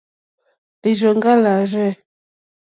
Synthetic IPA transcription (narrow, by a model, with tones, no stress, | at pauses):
te˨ʒo˨ŋɡa˦la˨ɾɛ˦